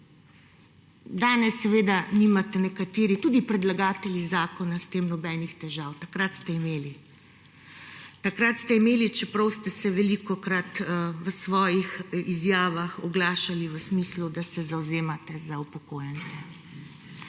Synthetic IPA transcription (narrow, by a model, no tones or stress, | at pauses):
d̪aːnɛsːɛʋeːd̪animat̪ɛnɛkat̪eːɾit̪uːd̪ipɾɛd̪laɡaːt̪ɛljizaːkɔnast̪eːmnɔbɛːnixt̪ɛʒawt̪akɾat̪st̪ɛimeːli | t̪akɾat̪st̪ɛimeːlit͡ʃɛpɾɐwst̪ɛsɛʋɛlikɔkɾat̪ʋəsʋɔːjixizjaːʋaxɔɡlaːʃaliʋəsmislud̪asɛzawzeːmat̪ɛzaupɔkoːjɛnt̪sɛ